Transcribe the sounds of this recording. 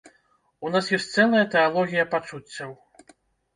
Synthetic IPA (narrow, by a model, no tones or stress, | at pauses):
unasjɔsʲt̪sɛlˠːɐjɐt̪ɛalˠɔɣʲijɐpat͡ʂut͡sʲːɐw